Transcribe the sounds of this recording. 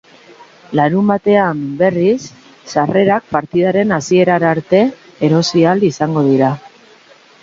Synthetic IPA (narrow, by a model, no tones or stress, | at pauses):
laɾumbat̪e̞ambe̞risː | are̞ɾak̚paɾt̪iðaɾe̞nasie̞ɾaɾaɾt̪e̞ː | ɾo̞sialisaŋɡo̞ð̞iɾa